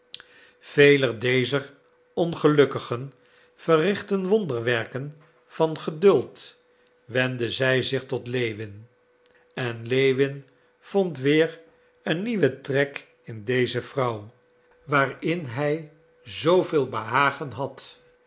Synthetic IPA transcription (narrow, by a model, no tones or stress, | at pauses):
v̥ejlədejzər | ɔnχəlɵkəχən | v̥ərɪχtənʋɔndəɹʋɛɹkən | v̥ɑnχədɵlˠt | ʋɛndəzɛjzɪχtɔtlejʋɪn | ɛnlejʋɪn | v̥ɔntʋɪːɹ | ənːiʋətrɛk | ɪndejzəvrʌw | ʋaːrɪnɦɛj | zowvɪːlˠbəɦaːχənɦɑt